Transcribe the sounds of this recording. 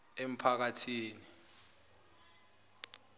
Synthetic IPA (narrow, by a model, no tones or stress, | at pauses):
em̩pʰak̬atʰiːni